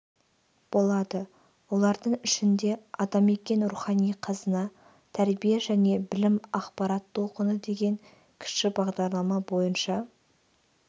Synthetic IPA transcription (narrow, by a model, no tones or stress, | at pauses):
b̥o̞lˠɑd̪ə | wo̞lˠɑɾd̪əɴɪʃɪnd̪e̞ɑd̪ɑme̞kʲe̞nɾuχɑnijqʰɑzənɑ | t̪ʰæɾbijeʒæne̞bɪlɪmɑqpɑɾɑt̪ʰːo̞lˠqənəd̪e̞ɡʲe̞ŋ | kʲʰɪ̥ʃkɪbɑʁd̪ɑɾlˠɑmɑbo̞jənʃɑ